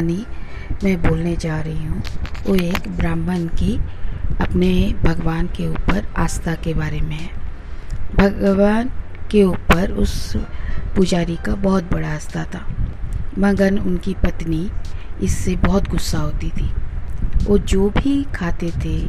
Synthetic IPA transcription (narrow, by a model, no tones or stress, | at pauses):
nimɛ̃ːboːlned͡ʒaːɾɐɦiɦũoːeːkbɾãːmbənkiɐpnebʱɐɡʋaːnkeuːpəɾa̰ːst̪ʰakebaːɾemẽɦɛ̃ː | bʱɐɡʋaːn | keuːpəɾʊ̰s | pʊd͡ʒaːɾikabɔːʊt̪̚bɐɽaɐst̪at̪ʰaː | mɐ̃ŋɡənʊnkipɐt̪niɪsːebɔːʊt̪ɡʊsːaɦoːt̪it̪ʰiː | oːd͡ʒoːbʱikʰaːt̪et̪ʰe